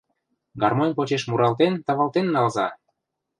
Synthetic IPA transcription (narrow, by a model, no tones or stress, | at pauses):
ɡɑrmonpot͡ɕeʃmuɾɑlt̪ent̪ɑβɑlt̪enːɑlzɑ